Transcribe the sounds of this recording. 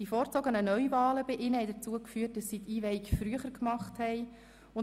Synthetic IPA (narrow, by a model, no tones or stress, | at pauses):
d̥ifɔːɾt͡sɔɡənənœʏvɑːləbɪʔɪnəhɛɪdəɾt͡suəkfyːət̚d̥ɑsːiːtiːvɛɪkfɾyəχəɾkmɑχthɛɪ | ʊn